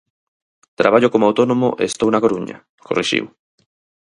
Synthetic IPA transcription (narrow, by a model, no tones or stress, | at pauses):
t̪ɾaβaʎokomoawt̪onomo̰ʔḛst̪ownakoɾuɲɐ̰ | koriʃḭw